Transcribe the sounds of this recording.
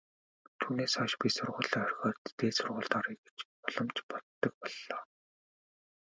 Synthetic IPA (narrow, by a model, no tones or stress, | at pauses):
t̪ʰuːneːsɔʃpʲisʊrʁʊːɮœːœrʲxɔːrt̪ːeːsʊrʁʊːɬt̪aɾiɣe̥t͡ɕ | ɔɮ̥ɞ̆mt͡ɕpɔt̪ːə̆k̚pɔɮːɔː